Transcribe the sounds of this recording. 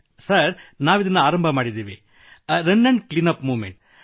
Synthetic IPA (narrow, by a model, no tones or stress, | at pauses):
sɐɾnaːʋɪðɐnːɯaːɾɐmbʱɐmaːɽiðeːʋẽː | ɾɐnːɐɳɖklinɐpmuːmeɳʈ